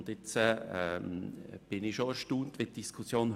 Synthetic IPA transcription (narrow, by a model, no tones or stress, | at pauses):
nd̥ɪt͡sɛɛmb̥ɪnɪʃoæɾʃtuːntʋed̥iskʰusjoːn